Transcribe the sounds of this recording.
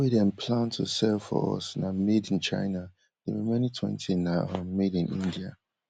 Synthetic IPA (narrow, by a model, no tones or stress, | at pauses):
widɛ̃npʰlãntʰṵsɛlfɔ̰ɔ̰snamedĩnt͡ʃa̰ɪna | d̥ewɛmɛnitʰwɛ̰̃ntʰinamedĩnʔḭ̃ndia̰